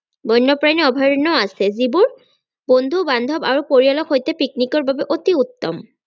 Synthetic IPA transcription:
bɔjnːɔpɹaniɔbʱaɹnɔasɛzibʊɹ | bond̪ʱubandʱɔbaɹupoɹialɔkxojtɛpiknikɔɹbabɛʔotiut̪ːɔ̰m

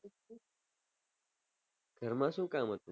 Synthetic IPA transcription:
kɐɾmasukʼaːmɐt̪u

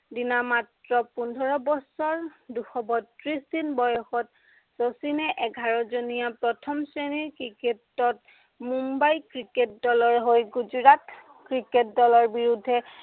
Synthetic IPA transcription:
dinamatɹɔpundʱɔɹɔbɔsɔɹduxɔbɔtɹisdinbɔjɔxɔt | sosinɛʔɛɡʱaɹɔzonijapɹɔtʰɔmseniɹkiketːɔt | mumbajkɹiket̚dɔlɔɹɦojɡuzuɹat | kɹiket̚dɔlɔɹbiɹudʱːɛ

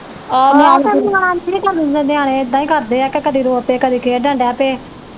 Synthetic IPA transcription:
ɔːmɛ̃əmaːɽãːɾiːkəɾd̪ɪnd̪ẽːd̪eaːɽ̃eːt̪ːãːĩːkəɾd̪eːɛːkekəd̪iːɾoːəpeːkəd̪iːkʰeːɖə̃ːɳɖɛːpeː

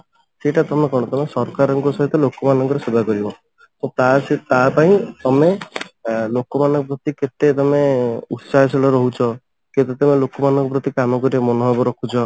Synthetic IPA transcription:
seʈat̪ɔmekɔɽ̃ɔt̪ɔmesɔɾkaɾɔŋkɔsɔɦit̪ɔlokɔmanɔŋkɔɾesebʱakɔɾibɔ | t̪ũt̪aset̪apaĩt̪ɔme | lokɔmanɔ̃ŋkɔpɾɔt̪iket̪et̪ɔmeut̪saeselɔɾɔɦut͡ʃʰɔ | ket̪et̪ɔmelokɔmanɔ̃ŋkɔpɾɔt̪ikamɔkɔɾiamɔnɔɦɔbɔɾɔkʰut͡ʃʰɔ

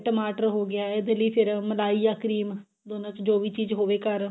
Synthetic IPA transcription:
ʈəmaːʈəɾɦoːɡɪaːɪd̪eləiːpʰɪɾməlaːiːjaːkəɾiːm | d̪oːnãːt͡ʃd͡ʒoːʋiːt͡ʃiːzɦoːʋeːkəɾ

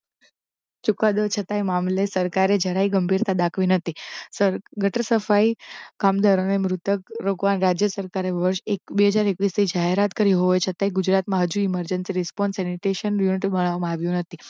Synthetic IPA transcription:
t͡ʃukad̪ot͡ʃʰət̪aimamlesəɾkaɾed͡ʒʱəɾaiɡəmbʱiɾt̪ad̪akʰʋinət̪ʰisəɾɡʱəʈɾəsəfaikamd̪ʱaɾonemɾut̪əkɾokʋanɾad͡ʒjəsəɾkaɾeʋəɾʃekbeɦəd͡ʒaɾekʋist̪ʰid͡ʒaɦeɾat̪kəɾiɦoʋet͡ʃʰət̪aiɡud͡ʒɾat̪mãɦəd͡ʒuiməɾd͡ʒənsiɾispɔnsɛniʈeʃənjuniʈibəɽ̃ʋamãaʋjũnət̪ʰi

